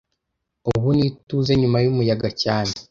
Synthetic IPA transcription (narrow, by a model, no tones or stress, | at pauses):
uβunituze̞ɲumajumujaɡacaːne